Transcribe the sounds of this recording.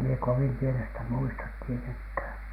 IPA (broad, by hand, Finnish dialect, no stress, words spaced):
mie koʋim pienestæ muistɑt tieteŋkhæˑn̥